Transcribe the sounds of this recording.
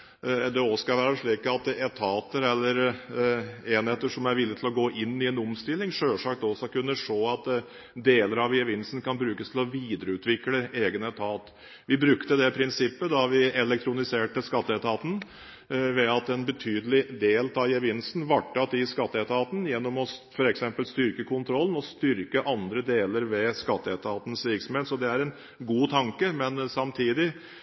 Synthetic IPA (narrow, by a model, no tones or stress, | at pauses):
d̪ɛɔskɑʋæːɾɑʂɭiːkɑt̪ɛt̪ʰɑːt̪əɾɛlːəɾ | eːnheːt̪ːəʂɔmæɾʋɪlːɪət̪ʰɪlɔɡoːʔɪnːɪɛnɔmst̪ɪlːɪŋʂøːʂɑkt̪ɔsɔkʉnːəʂoːɑt̪ | d̪eːləɾɑʋɪɛʋɪnsn̩kʰɑnbɾʉːkəst̪ʰɪlɔʋiːd̪əɾəʉːt̪ʰʋɪkləeːɡənɛt̪ʰɑːt̪ | ʋɪbɾʉkt̪əd̪ɛpʰɾɪnsɪpːəd̪ɑʋɪɛlɛkt̪ʰɾʊnɪseːʈəskɑt̪ːəɛt̪ʰɑːt̪n̩ | ʋɛɑt̪ɛnbət̪ʰyːd̪əlɪd̪eːlt̪ɑjɛʋɪnsn̩ʋɑʈʰːɑt̪ɪskɑt̪ːəɛt̪ʰɑːt̪n̩jɛnːɔmɔfɔɾɛksɛmpəlst̪ʏɾkəkʰʊnt̪ʰɾɔlːən̩ɔst̪ʏɾkəʔɑnd̪ɾəd̪eːləɾʋɛskɑt̪ːəɛt̪ʰɑːt̪n̩sʋɪksɔmeːt̪sɔd̪ɛæɾɛn | ɡuːt̪ʰɑŋkəmɛnsɑmt̪ʰiːd̪ɪ